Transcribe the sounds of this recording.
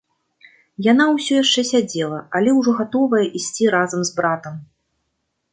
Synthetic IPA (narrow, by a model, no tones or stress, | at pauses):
jan̪awsʲɔjaʂt͡ʂɛsʲad͡zʲɛlˠɐalʲɛwʐɔɣat̪ɔvɐjɐʔisʲt͡sʲiɾazɐmzbɾat̪ɐm